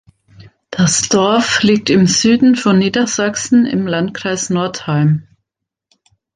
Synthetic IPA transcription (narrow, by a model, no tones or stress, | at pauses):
d̥asd̥ɔɐfliːk̚tɪmzyːdn̩fɔnːiːdɐz̥aksn̩ɪ̰mlantkʁ̥aɪsnɔɐthalm